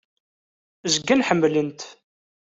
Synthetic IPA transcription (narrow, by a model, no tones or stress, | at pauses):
zəɡːænħəmːlint̪